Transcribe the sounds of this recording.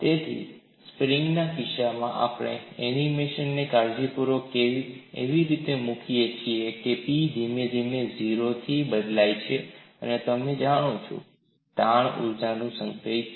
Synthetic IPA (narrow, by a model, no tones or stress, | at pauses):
t̪et̪ʰḭ | spɾɪŋɡnakɪʃamãʔa̰pɽ̃ḛɛnimeʃənːekaɾd͡ʒepuɾokeʋieʋiɾit̪emũkʰijet͡ʃʰiekepid͡ʒimed͡ʒimeziɾot̪ʰibəd̪lajt͡ʃʰeənet̪əmed͡ʒaɽ̃ũt͡ʃʰṵ | t̪aɳṵɾd͡ʒanũsə̃ŋkej